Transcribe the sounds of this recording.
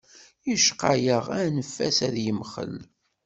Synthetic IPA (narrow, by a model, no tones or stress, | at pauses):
jəʃqajəʁænəfːæsæðjəmχə̰l